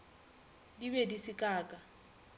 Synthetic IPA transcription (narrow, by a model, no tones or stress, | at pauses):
diβedisikʼaːkʼa